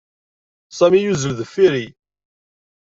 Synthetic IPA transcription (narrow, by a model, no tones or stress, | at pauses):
sæmijuzəlðəfːiɾi